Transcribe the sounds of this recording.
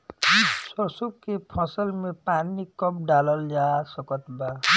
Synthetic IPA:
sʌsub̚kepʰʌ̃sʌlmepanikʌp̚ɖalʌljasʌkʌt̪ba

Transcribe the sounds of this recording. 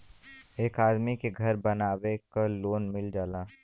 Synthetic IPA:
eːkaːd̪mikeɡʱɐɾbɐnaːʋekaloːnmɪld͡ʒaːlaː

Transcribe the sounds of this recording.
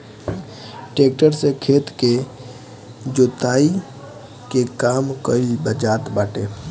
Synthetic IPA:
ʈeːk̚ʈəɾsekʰeːt̪ke | d͡ʒoːt̪aːi | kekaːmkəlbəd͡ʒaːt̪baːʈeː

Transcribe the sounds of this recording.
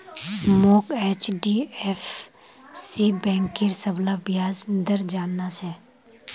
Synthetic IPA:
moːkeːt͡ʃɖief | sibɛ̃ːŋkiɾsəblabjaːd͡ʒd̪əɾd͡ʒaːnːat͡ʃʰɛː

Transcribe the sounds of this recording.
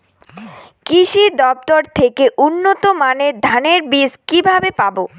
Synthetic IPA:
kiʃid̪ɔp̚t̪oɾt̪ʰekeʔunːot̪omaned̪ʱaneɾbiskibʱabepabo

